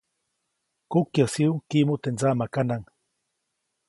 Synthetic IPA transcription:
kukjasiuŋkimot̪enzamakanaŋ

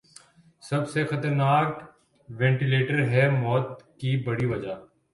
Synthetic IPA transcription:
sɐbsexɐt̪əɾnaːk | ʋɛ̃ːɳʈileːʈəɾɦɛmɔːt̪̚kibɐɽiʋɐd͡ʒaː

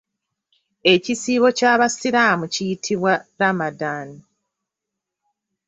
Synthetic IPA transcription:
e̞cisiːβo̞caːβasiɾaːmucijitʰiβwaɾamadaːni

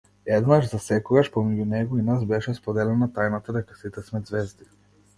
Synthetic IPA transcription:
ɛd̪naʒzasɛkɔɡaʃpɔmɛɟunɛɡɔinazbɛʃɛspɔd̪ɛlɛnat̪ajnat̪ad̪ɛkasit̪ɛsmɛzvɛzd̪i

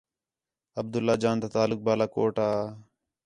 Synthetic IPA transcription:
əb̚d̪ʊlːaːd͡ʒaːnd̪aːt̪aːlʊk̚baːlaːkoːʈaː

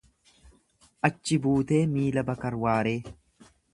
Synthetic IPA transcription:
ʔɐt͡ʃːɪbuːt̪e̞ːmiːlɐbɐkɐɾwaːɾe̞ː

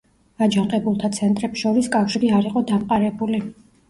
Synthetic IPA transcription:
ad͡ʒaŋqʼɛbulˠt̪ʰat̪sʰɛnt̪ʼɾɛpsʃɔɾiskʼafʃiɾiaɾiqʼɔd̪amqʼaɾɛbuli

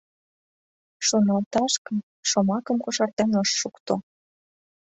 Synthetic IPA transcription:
ʃonɑlt̪ɑʃkəm | ʃomɑkəmkoʃɑrt̪ɑnəʃːukt̪o

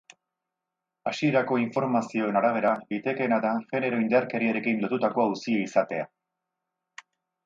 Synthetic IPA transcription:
asie̞ɾako̞iɱfo̞ɾmasio̞e̞naɾaβ̞e̞ɾaɡit̪e̞ke̞nat̪aŋʝe̞ne̞ɾo̞ind̪aɾke̞ɾiaɾe̞kinlo̞t̪ut̪ako̞awsiaisat̪e̞a̰

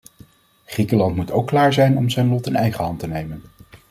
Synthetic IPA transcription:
χrikəlɑntmutowkːlaːɹzɛjnɔmzɛjnlɔtɪnɛjχəɦɑntənejmən

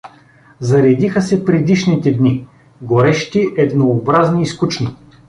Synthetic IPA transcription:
zɐɾɛd̪ixəsɛpɾɛd̪iʃnit̪ɛd̪ni | ɡoɾɛʃt̪iʔɛd̪noːbɾazniːskut͡ʃni

